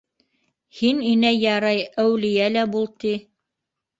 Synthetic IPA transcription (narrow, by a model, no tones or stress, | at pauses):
hininæjɑɾɑjæwlɘ̆jælæbulˠt̪i